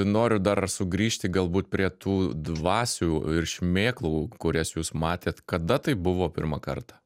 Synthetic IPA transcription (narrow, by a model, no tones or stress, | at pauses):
noːɾʲʊd̪ɐrsʊɡɾʲiːʃʲt̪ʲɪɡɐlˠbuːt̪̚pʲɾʲiɛt̪uːd̪ʋɑːsʲuːɪrʃʲmʲeːklˠuːkʊɾʲɛsjuːsmɑːt̪ʲeːt̪kɐd̪ɐt̪ɐɪbʊʋoːpʲɪ̰ɾmɐkɐrt̪ɑ̥ː